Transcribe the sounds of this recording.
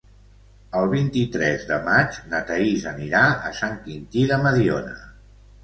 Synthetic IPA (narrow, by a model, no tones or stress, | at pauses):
əlˠβint̪it̪ɾɛzðəmad͡ʒnət̪əizəniɾaəsaŋkint̪iðəməðionə̰